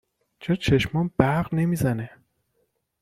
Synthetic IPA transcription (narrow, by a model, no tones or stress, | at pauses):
t͡ʃʰɒt͡ʃʰeʃmɒːnbæɾɣne̞miːzæne